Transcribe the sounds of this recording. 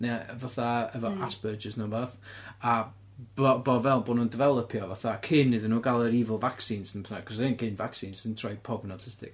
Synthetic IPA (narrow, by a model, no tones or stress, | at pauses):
navaθaəvɔʔasb̥əd͡ʒəsnəbaθa | b̥ɔbɔvɛlˠbɔnundɪvɛlˠəpʰjɔvaθakʰɪnːɨðənuːɡalˠəɾivəlˠvaksinsənpʰθakʰɔs̬enkʰɪnvaksinsəntʰraj̚pʰɔbnatʰɪstɪ̰k